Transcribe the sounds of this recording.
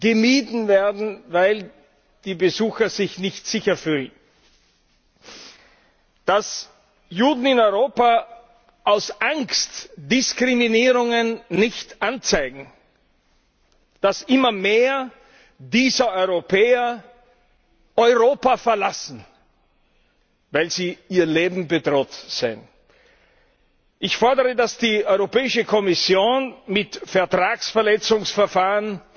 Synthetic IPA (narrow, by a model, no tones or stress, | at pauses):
ɡ̥əmiːdn̩veːɐdn̩vaɪl | d̥iːbəzuːxɐz̥ɪçnɪçtz̥ɪçɐfyːln | d̥as | juːdn̩ɪnɔʏʁoːpa | ʔaʊsʔaŋkstd̥ɪskʁ̥iminiːʁʊŋənːɪçtʔant͡saɪɡŋ̩ | d̥asʔɪmɐmeːɐ | diːzɐɔʏʁopʰɛːɐ | ʔɔʏʁoːpafɛɐlasn̩ | vaɪlziːiːɐleːbm̩bədʁoːtz̥ḛːn | ʔɪçfɔɐdəʁədasd̥iːʔɔʏʁopɛːɪʃəkʰɔmɪsjoːnmɪtfɛɐtʁ̥aːksfɛɐlɛt͡sʊŋsfɛɐfaːʁən